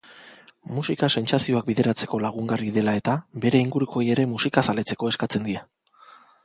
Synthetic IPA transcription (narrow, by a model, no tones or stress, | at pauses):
musikase̞nt͡sasio̞ak̚biðe̞ɾat͡se̞̥ko̞laɣ̞uŋɡariðe̞lae̞t̪abe̞ɾe̞iŋɡuɾuko̞je̞ɾe̞musikasale̞t͡se̞ko̞e̞skat͡se̞nd̪ia